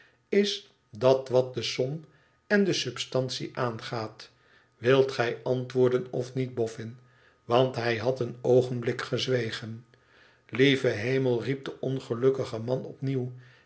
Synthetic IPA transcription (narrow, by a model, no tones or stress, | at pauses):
ɪs | dɑtʋɑt̚dəsɔm | ɛndəsɵpstɑntsḭʔaːnχaːt | ʋɪlˠtχɛjʔɑntʋʊːɹdənɔfnid̚bɔfɪn | ʋɑntɦɛjɦɑtənowχənblɪkχəzʋejχən | livəɦejməlˠrip̚dəʔɔnχəlɵkəχəmɑnɔpniw